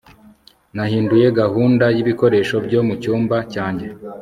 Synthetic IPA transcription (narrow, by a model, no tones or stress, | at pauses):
nahiːnduje̞ɡahuːndajiβiko̞ɾe̞ːʃo̞bɟo̞ːmucuːmbacaːɲɟe̞